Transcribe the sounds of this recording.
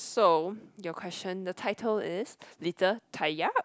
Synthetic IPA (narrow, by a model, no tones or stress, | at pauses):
sojɔkʰw̥ɛst͡ʃə̃ndətʰaɪtʰəlɪslitʰətʰajaʔ